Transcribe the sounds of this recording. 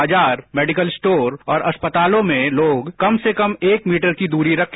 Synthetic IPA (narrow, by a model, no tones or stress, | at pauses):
d͡ʒaːɾmɛːɖɪkəlsʈoːɾɔːɾʔɐspət̪aːlõmẽloːɡkɐmsekɐmeːkmiːʈəɾkid̪uːɾiɾɐkʰ